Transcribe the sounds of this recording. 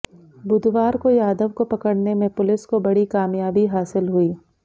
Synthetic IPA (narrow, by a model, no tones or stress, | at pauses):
bʊd̪ʱʋaːɾkojaːd̪əʋkopɐkəɽnemẽpʊlɪskobɐɽikaːmjaːbiɦaːsɪlɦʊiː